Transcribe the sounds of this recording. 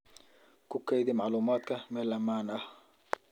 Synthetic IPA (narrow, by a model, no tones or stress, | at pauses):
kʊkːajd̪imaʕluːmaːt̪kamɪlʔamaːnʔah